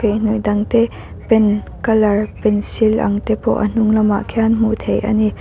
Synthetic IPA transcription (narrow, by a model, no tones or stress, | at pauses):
kejn̥uʔd̪ɐŋt̪ɛ | pɛn | kɐlɐrpɛnsilʔɐ̰ŋt̪ɛpɔ̰ʔɐ̰n̥ʊŋlɐma̰ʔkʰɛnm̥ut̪ʰejʔa̰ni